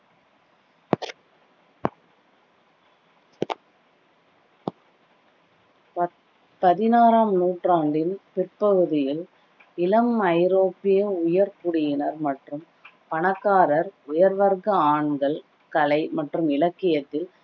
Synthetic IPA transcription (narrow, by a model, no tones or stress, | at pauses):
pɐðɪnaːɾaːmnuːʈraːɳɖɪnpɪrpɐɣɯðɪjɪl | ɪlɐmɐɪɾoːpːɪjɐʊjɐɾkʊɽɪjɪnɐɾmɐʈrɯm | pɐɳɐkːaːɾɐɾʊjɐɾʋɐɾɣɐaːɳɡɐɭ | kɐlɐɪmɐʈrɯmɪlɐkːɪjɐt̪ːɪl